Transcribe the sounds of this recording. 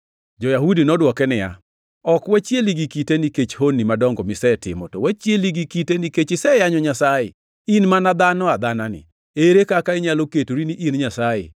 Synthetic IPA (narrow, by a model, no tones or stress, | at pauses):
d͡ʒɔjahudinɔdwɔkɛnɪja̰ | ɔkwɛt͡ʃjeliɡikiteniket͡ʃhonːimadɔŋɡɔmɪsɛtɪ̰mɔ̰tɔwɛt͡ʃjeliɡikiteniket͡ʃɪsɛjaɲɔɲasajɪ̰ | inmanad̪anɔad̪ananɪ̰ | eɾekakaɪɲaloketoɾiniʔinɲasajɪ̰